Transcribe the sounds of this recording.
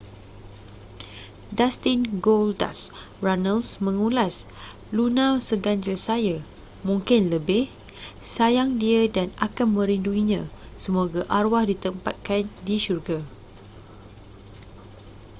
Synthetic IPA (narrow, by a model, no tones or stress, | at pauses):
dast̪inɡolda̰s | ranəlsmə̃ŋulas | lunãsəɡaɲd͡ʒasaja | mũŋkɪnləbɪh | sajaŋdiədanakanmə̃ɾinduiɲã | səmoɡaʔarwahdit̪əmpat̪̚kandiʃurɡa